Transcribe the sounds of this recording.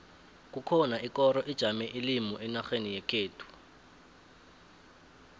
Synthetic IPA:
k̬ʼukʰɔnaʔikɔɾɔʔid̥ʒ̥ʱamɛʔilimɔʔɛnaxenijɛkʰeːtʰu̥

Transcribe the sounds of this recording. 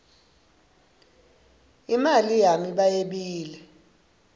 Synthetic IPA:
imalijamiɓajeɓiːlɛ

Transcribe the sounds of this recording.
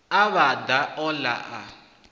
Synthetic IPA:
aβad̪aɔla̰ʔa̰

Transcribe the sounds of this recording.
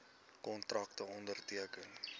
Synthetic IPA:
kɔntrɐktəɔndərtiəkən

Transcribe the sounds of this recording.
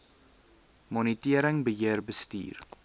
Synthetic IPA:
mɔnitiəɾəŋbəɦiərbəstḭːr

